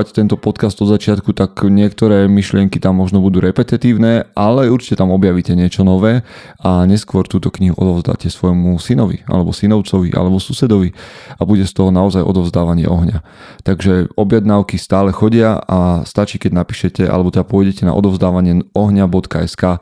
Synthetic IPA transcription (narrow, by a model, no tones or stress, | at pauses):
act̪ɛnt̪ɔpɔt̪kazd̪ɔd̪zat͡ʃɪat̪kut̪akɲɪɛkt̪ɔɾɛːmiʃlɪɛŋkit̪amːɔʒnɔbud̪uːɾɛpɛt̪it̪iːʊnɛːʔalɛuɾt͡ʃi̥cɛt̪amɔbjaʋicɛɲɪɛt͡ʃɔnɔʋɛː | aɲɛskʊɔɾt̪uːt̪ɔkɲiɦuʔɔd̪ɔʊzd̪a̰ːcɛsʋɔjmusinɔʋḭʔa̰lɛbɔsinɔʊt͡sɔʋiʔa̰lɛbɔsusɛd̪ɔʋiabuɟɛst̪ɔɦɔnaɔzajʔɔ̰d̪ɔʊzd̪aːʋaɲɪɛ̰ʔɔɦɲa | t̪aɡʒɛɔbjɛd̪naʊkist̪aːlɛxɔɟɪaʔast̪at͡ʃiːkɛɟnapi̥ːʃɛcɛʔa̰lɛbɔt̪ɛd̪apʊɔjɟɛcɛna̰ʔɔ̰d̪ɔʊzd̪aːʋaɲɪɛɔɦɲabɔt̪kaɛskaː